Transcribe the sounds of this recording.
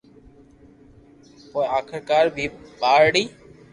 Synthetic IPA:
pɔjakʰəɾkaɾbibaɾɽi

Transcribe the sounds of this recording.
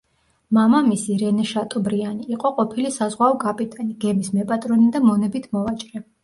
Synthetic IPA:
mamamisiɾɛnɛʃat̪ʼɔbɾianiːqʼɔqʼɔpʰilisazʁwaɔkʼapʼit̪ʼɛniɡ̥ɛmismɛpʼat̪ʼɾɔnid̪amɔnɛbit̪ʰmɔvat͡ʃʼɾɛ

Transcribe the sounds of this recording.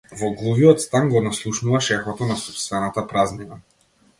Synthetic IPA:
vɔɡlˠuviɔt̪st̪anɡɔnaslˠuʃnuvaʃɛxɔt̪ɔnasɔpst̪vɛnat̪apɾaznina

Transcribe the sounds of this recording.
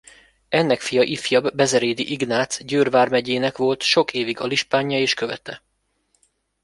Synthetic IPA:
ɛnːɛkfijɒʔifjɒbːɛzɛɾeːd̪iʔiɡnaːt̪sɟøːrvaːrmɛɟeːnɛkʋo̞lt̪ʃo̞kʰeːviɡɒliʃpaːɲːɒeːʃkøvɛ̰t̪ɛ

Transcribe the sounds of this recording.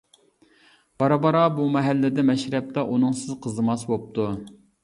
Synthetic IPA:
b̥ɑɾɑbɑɾɑbumɛɦælːɪd̪ɛmɛʃɾɛp̚t̪ɑʔunɨŋsɨzqʰəzɨmɑswop̚t̪ʰu

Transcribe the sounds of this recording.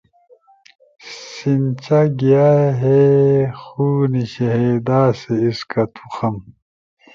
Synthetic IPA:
sint͡ɕaɡijaɦexuːniɕeɦeːd̪aːseiskɐt̪ʰuxɐm

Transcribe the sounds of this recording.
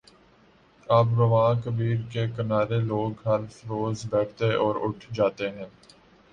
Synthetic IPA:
aːpɾɐʋãːkəbiːɾkekɐnaːɾeloːɡɦɐlfɾoːzbɛːʈ̚ʰt̪eʔɔːɾʊʈʰd͡ʒaːt̪eɦɛ̃ː

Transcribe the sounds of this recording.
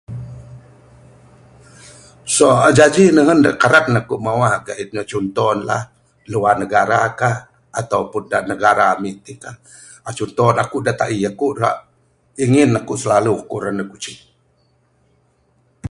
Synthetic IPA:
soad͡ʒad͡ʒinəɦənda̰ʔkaɾatnakuʔmawaɡaʔit̪̚ɲət͡ʃunt̪ɔnla̰h | luarnəɡaɾakah | at̪awpundaʔnəɡaɾamiʔt̪ika | at͡ʃunt̪ɔnakuʔdat̪aʔiakuʔra̰ʔ | iŋɪnːakuʔsəlalukuɾənəkut͡ʃi

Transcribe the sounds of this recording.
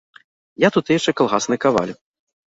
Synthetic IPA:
jat̪ut̪jaʃt͡ʂɛkalˠɣasnɨkava̰lʲ

